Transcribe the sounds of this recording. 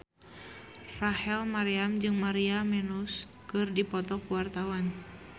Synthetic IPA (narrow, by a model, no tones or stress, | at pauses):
rahɛlmaɾiamd͡ʒɨŋmaɾiamɛnus | kɨrdipɔt̪ɔkuwart̪awan